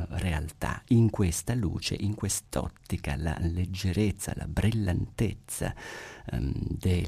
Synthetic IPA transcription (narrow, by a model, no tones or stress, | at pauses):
realt̪a̰iŋkwest̪alṵːt͡ʃḛʔiŋkwest̪ɔ̰t̪ːikala̰led͡ʒːeɾet̪sːa̰lʔa̰bɾilːant̪et̪sːa̰ | d̪e